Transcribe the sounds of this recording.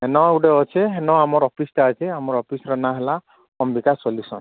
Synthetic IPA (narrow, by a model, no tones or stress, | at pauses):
ɦenɔuɖeɔt͡ʃʰeɦenɔamɔɾɔpʰistat͡ʃʰeamɔɾɔpʰisɾɔnaɦela | ɔmbikasɔlisɔ̰n